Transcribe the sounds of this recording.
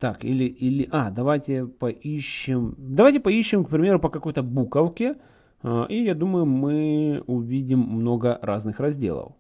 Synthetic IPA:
t̪akḭlʲɪʔilʲɪʔad̪ɐvajtʲɪpɐʔiɕːɪmd̪ɐvajtʲɪpɐiɕːɪmk̚pɾʲɪmʲe̞ɾʊpəkɐko̞jt̪əbukəwkʲɪ | ʔijad̪uməjʊmɨʊvʲidʲɪmːno̞ɡəɾaznɨxrɐzʲdʲḛlˠə̰f

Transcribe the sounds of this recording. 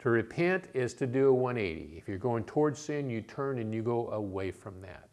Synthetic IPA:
tʰɨɹɨpʰɛ̃ntɪz̥tʰɨdɨːwʌ̃neɪɾḭɨfjə˞ɡoʊɪ̃ŋtʰɔɹdz̥sɪ̃njɨtʰɜ̃˞nɨ̃njɨɡoʊʔəweɪfɹʌ̃mðæ̰t̚

